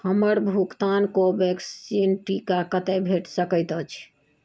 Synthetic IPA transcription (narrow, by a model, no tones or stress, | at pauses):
həməɾbʱukt̪ankobeksinʈikakət̪ɛbʱeʈsəkəjt̪ət͡ʃʰ